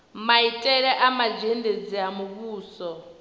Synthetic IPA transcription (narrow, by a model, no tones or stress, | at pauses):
maitʼɛɺɛʔamad͡ʒended͡ziamuβuːsɔ